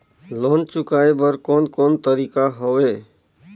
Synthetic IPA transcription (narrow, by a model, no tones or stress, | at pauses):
loːnt͡ʃʊkaːebəɾkoːnkoːnt̪əɾikaɦoweː